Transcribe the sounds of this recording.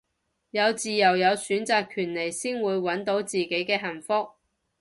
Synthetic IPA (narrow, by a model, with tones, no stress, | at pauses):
jɐ˨˧wt͡siː˨jɐ˨˩wjɐ˨˧wsyː˨˥nt͡saː˨kʰyː˨˩nle˨˩jsiː˥ŋwuː˨˧jwɐ˨˥nt̪o˨˥wt͡siː˨ke˨˥jkɛː˧ɦɐ˨˩nfʊ˥k̚